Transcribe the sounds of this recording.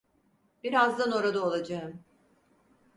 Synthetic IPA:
b̥iɾazd̪ano̞ɾad̪aolˠad͡ʒaɯm

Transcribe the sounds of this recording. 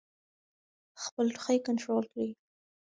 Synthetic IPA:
xpəlʈxajkanʈɾolkɽi

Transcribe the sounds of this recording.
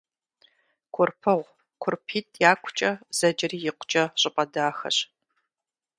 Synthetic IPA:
kʷʰʊrpʰɨʁʷ | kʷʰʊrpʰiːtʰʼjaːkʷʰʊt͡ʃʼɐz̥ɐd͡ʒɪriːjɪqʷʊ̥t͡ʃʼɐɕʼɪpʼɐdaːxɐ̰ɕ

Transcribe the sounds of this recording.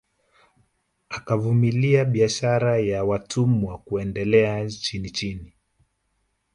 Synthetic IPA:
akavumiliaɓiaʃaɾajawatʰumwakuɛndɛlɛat͡ʃinit͡ʃini

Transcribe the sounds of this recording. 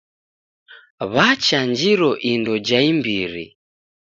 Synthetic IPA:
βat͡ʃaɲd͡ʒiɾɔʔindɔd͡ʒaimbiɾḭ

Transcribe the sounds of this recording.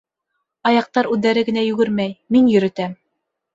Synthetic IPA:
ɑjɑq̚t̪ɑɾʉðːæɾɘɡɘ̆næjʉɡɵɾmæjminjɵ̆ɾɘ̆t̪æm

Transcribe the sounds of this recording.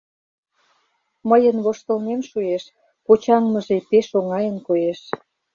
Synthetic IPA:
məjənβoʃt̪əlnemʃueʃ | pot͡ɕɑŋməʒepeʃoŋɑjənkojeʃ

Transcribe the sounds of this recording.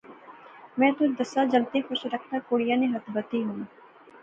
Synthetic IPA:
mɛ̃ːt̪ʊd͡ʒd̪ɐsad͡ʒɐlt̪exʊʃɾɐkʰnakoːɽijãnẽɦɐt̪ʰbət̪iɦũː

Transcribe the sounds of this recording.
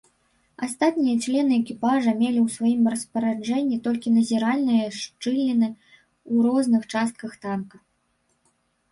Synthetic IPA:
ast̪at̪nʲijɐt͡ʂlʲɛnɨɛkʲipaʐɐmʲelʲiwsvajimrɐspɐɾad͡ʐɛnʲːit̪ɔlʲkʲinɐzʲiɾalʲnɨjɐʂt͡ʂɨlʲnʲinɨ | uɾɔznɨxt͡ʂast̪̚kɐxt̪ankɐ

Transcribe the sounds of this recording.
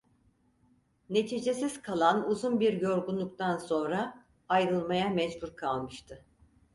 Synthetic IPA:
ne̞t̪ʰid͡ʒe̞siz̥kʰalˠanuzunbiɾjo̞ɾɡunlˠuk̚t̪ʰanso̞nɾa | ajɾɯlˠmajamɛd͡ʒbuɾkʰalˠmɯʃt̪ʰɯ

